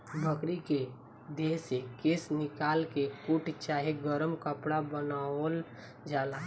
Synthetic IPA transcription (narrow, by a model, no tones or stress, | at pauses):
bʱəkɽike | d̪eːsekɪsnɪkaːlkekuʈt͡ʃaːɦeɡəɾəmkəpɽabənal | d͡ʒaːlaː